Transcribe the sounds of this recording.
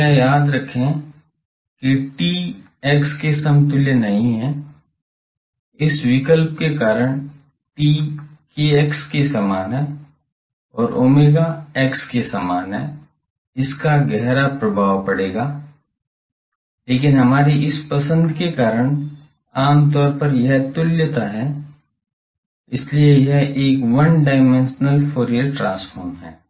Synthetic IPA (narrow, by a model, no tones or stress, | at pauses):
ɛjaːd̪ɾɐkʰːe | keʈiː | ɛːkskesɐmt̪ʊljənɐɦĩɦɛ̃ː | ɪswɪkəlp̚kekaːɾəɽ̃ | ʈiːkeɛkskesaːmaːnɦɛ̃ | ɔːɾʔoːmeːɡaɛːkskesaːmaːnɦɛ̰ː | ɪskaɡɛɦɾapɾɐbʱaːʋpɐɽeːɡaː | leːkɪnɦɐmaːɾiʔɪspɐsə̃nd̪kekaːɾəñ | aːmt̪̬ɔːɾpɐɾjɐɦt̪ʊljət̪aɦɛ | ɪsliejɛɦʔeːkʋɐnɖaːɪmɛ̃nʃnəlfʰoːɾijəlʈɾãːsfʰɔːɾmɦɛ̰̃ː